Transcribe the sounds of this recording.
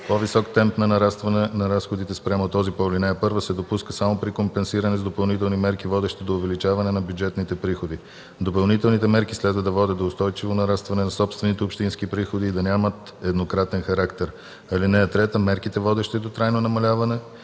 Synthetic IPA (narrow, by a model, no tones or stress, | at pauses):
povisɔkt̪ɛmpnɐnɐɾast̪vɐnɛnɐɾasxod̪it̪ɛspɾʲamot̪ɔzipɔlʲinɛɛpɤɾvəsɛd̪opuskəsamopɾikompɛnsiɾɐnɛzd̪opɐlˠnit̪ɛlˠnimɛɾkivɔd̪ɛʃt̪id̪oʊvɛlit͡ʃavɐnɛnɐbʲjud͡ʒɛt̪nit̪ɛpɾixod̪i | d̪opɐlˠnit̪ɛlˠnit̪ɛmɛɾkislɛd̪vəd̪ɐvɔd̪ʲət̪d̪oːst̪ɔjt͡ʃivonɐɾast̪vɐnɛnɐsɔpst̪vɛnit̪ɛopʃt̪inskipɾixod̪iːd̪ɐnʲamət̪ | ɛd̪nokɾat̪ɛnxɐɾakt̪ɛɾ | ɐlinɛɛt̪ɾɛt̪əmɛɾkit̪ɛvɔd̪ɛʃt̪id̪ot̪ɾajnonɐmɐlʲavɐnɛ